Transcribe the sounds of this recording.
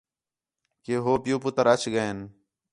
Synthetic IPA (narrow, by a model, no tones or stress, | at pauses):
keɦoːpjuːpʊt̪əɾɐt͡ʃʰɡəeːn